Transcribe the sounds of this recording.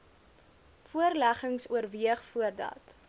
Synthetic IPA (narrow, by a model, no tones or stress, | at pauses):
fuərlæχəŋsuərviəχfuərdɐ̰t